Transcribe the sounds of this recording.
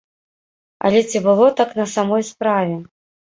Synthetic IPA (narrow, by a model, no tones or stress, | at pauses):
ɐ̰lʲɛt͡sʲibɨlˠɔt̪aknɐsamɔjspɾavʲɛ